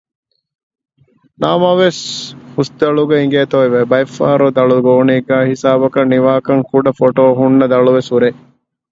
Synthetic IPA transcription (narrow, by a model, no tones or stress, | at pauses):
naːmɐʋeshusd̪ɐɭuɡeiŋɡeːt̪oiʋebɐjfːa̰ːɾod̪ɐɭuɡoːniːɡæːhisaːbɐkɐnːiʋaːkɐŋkuɖɐfoʈoːɦunːɐd̪ɐɭuʋesuɾe